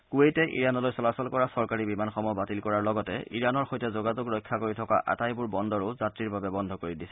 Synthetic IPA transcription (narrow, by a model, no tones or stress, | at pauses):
kuejtɛʔḭɹanɔlojsɔlasɔlkɔɹasɔɹkaɹibimanxɔmɔbatilkɔɹaɹlɔɡɔtɛ̰ʔḭɹanɔɹxojtɛzoɡazʊkɹɔjkʰːakoɹitʰɔka̰ʔa̰tajbʊɹbɔndʱɔɹʊzatɹiɹbabɛbɔndʱɔkoɹidisɛ̥